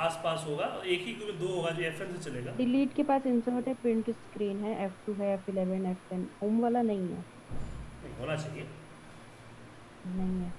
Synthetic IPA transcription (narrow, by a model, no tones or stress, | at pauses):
aːspaːsɦoːɡaːɔeːkɦikubed̪oːɦoːɡad͡ʒiɛfɛnset͡ʃɐleːɡaːɖɪliːʈkepaːsɪnsɔːʈepɪ̃ɳʈskɾiːnɦɛ̃ʔɛːfʰʈuːɦɛjɛːfɪlɛːʋənɛːfʈɛmɦoːmʋaːlanɐɦĩɦɛ̰ː | nɐɦĩɦoːnat͡ʃaːɦie | nɐɦĩɦɛː